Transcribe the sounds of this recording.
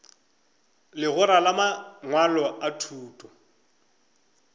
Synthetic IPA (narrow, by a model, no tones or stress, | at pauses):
lɪɣʊɾalamaŋwalɔʔatʰuːtʼɔ